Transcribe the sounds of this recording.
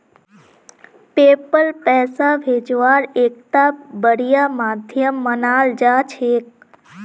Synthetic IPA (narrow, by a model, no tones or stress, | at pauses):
peːpəlpɛːsaʋʱeːd͡ʒʋaːɾeːk̚t̪abəɾijamaːd̪ʱjəmːənaːld͡ʒaːt͡ʃʰeːk̚